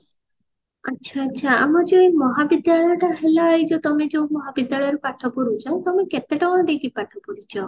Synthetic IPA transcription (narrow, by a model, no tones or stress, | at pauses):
ətːʃʰaːtːʃʰaamɔd͡ʒoimɔɦabid̪jaɭɔjɔʈaɦelaːjd͡ʒɔt̪ɔmed͡ʒoũmɔɦabid̪jaɭɔjɔɾupaʈʰɔpɔɾut͡ʃʰɔt̪ɔmeket̪eʈɔɔɽ̃ɔd̪ekʰipaʈʰɔpɔɾit͡ʃʰɔ